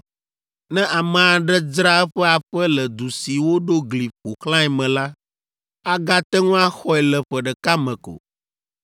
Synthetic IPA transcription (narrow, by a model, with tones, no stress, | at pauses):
nɛ̃˦ʔa˨mɛ̃˨a˨ɖɛ˦d͡ʒɾa˦ɛ˦ɸɛ˦a˨ɸɛ˦lɛ˨d̪u˨si˨wo˦ɖo˦ɡli˨ɸo˨klã˦ɛ˨mɛ̃˨la˦ | a˦ɡa˦t̪ɛ˦ŋũ˦a˦xɔ˦ɛ˨lɛ˨ɸɛ˨ɖɛ˨ka˦mɛ̃˨ko̰˨